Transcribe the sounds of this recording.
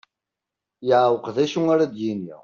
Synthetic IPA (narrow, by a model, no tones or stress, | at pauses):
jəʕwəqðæʃuaɾad̪jinḭ